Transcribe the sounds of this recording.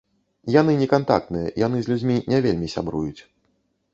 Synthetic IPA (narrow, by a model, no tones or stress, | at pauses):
janɨnʲɛkant̪a̰k̚t̪nɨjɛjanɨzʲlʲud͡zʲmʲinʲɛvʲelʲmʲisʲa̰bɾujut͡sʲ